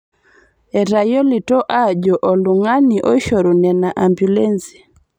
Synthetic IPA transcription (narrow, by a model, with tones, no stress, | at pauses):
ɛ˨ɾa˨jo˦li˨tɔ˦ʔa˦˨d͡ʒɔ˨ʔɔ˨lu˨ŋa˦ni˨ʔɔ˦ʃɔ˨ɾu˨nɛ˨na˨ʔa˨mbju˨le˦nsi̥˨